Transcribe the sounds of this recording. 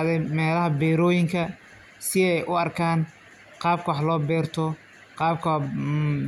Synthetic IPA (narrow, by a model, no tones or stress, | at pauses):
ðɛjmɛːlɐɦɐbɛːɾɔːjɪŋkʰɐ | sɪɛjʔʊɐrkʰaːn | qɑːb̚kʰɐwɑħlɔːbɛːrt̪ʰɔ | qɑːb̚kʰɐ